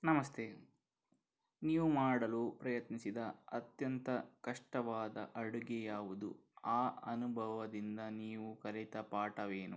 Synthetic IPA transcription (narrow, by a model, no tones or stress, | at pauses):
nɐmɐst̪ʰeː | niːʋumaːɽɐlupɾɐjɐt̪nisid̪ɐɐt̪jɐnt̪ɐkɐʂʈɐʋaːd̪ɐ̰ʔɐɽuɡejaːʋud̪u | aːɐnubʱɐʋɐd̪ind̪ɐniːʋukɐɾɛt̪ɐpaːʈɐʋeːnṵ